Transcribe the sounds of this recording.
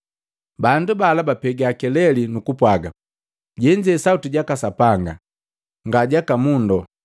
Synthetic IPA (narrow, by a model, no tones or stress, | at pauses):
bandubalabapɛɡiakɛlɛlinukupwaɡa | ɟɛɲd͡ʒɛsautiɟakasapaŋɡa̰ | ŋɡaɟakamundɔ